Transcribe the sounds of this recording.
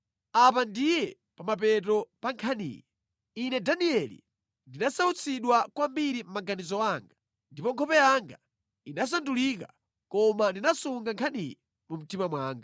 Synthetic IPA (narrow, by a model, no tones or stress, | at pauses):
ap̬andijɛ | pamap̬ɛt̬ɔpaŋkʰanḭːjɛ | inɛdaniɛlḭ | ndinasaut͡sʰiɗwakwambiɾim̩maɡanizɔaːŋɡa | ndipɔŋkʰɔpɛjaŋɡa | inas̬andulika̰ | kɔmandinasuŋɡaŋkʰanḭjɛ | mum̩timamwaːŋɡa